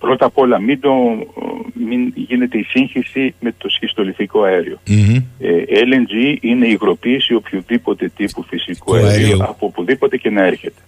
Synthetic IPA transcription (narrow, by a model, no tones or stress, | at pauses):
pɾo̞t̪ɐpo̞lɐmid̪o | minʝinet̪eisiŋçisime̞t̪o̞scist̪o̞liθiko̞ɐeɾio̞eelend͡ziine̞iɣɾo̞piːsio̞pçuðipo̞t̪e̞t̪ipufisikuɐeɾioɐpuopuðipo̞t̪e̞ce̞nɐe̞ɾçe̞t̪e̞̥